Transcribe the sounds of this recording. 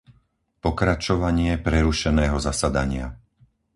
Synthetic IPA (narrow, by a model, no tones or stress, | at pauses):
pɔkɾat͡ʃɔʋaɲɪɛpɾɛɾuʃɛnɛːɦɔzasad̪aɲɪa̰